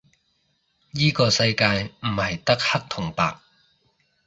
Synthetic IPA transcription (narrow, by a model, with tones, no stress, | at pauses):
jiː˥kɔː˧sɐ˧jkaː˧jm̩˨˩hɐ˨jt̪ɐ˥k̚hɐ˥k̚t̪ʰʊ˨˩ŋpa̰ː˧k̚